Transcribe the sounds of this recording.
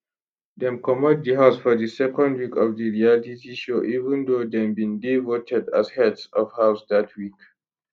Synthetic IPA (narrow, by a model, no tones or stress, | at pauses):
d̪ɛ̃mkɔmɔt̚diɦaʊsfɔdəsɛkɔ̃ndwikɔvdiɹialitiʃoʔivɛ̃ndod̪ɛ̃mbĩndivotʰɛdazhɛdsɔvhawsd̪atʰwik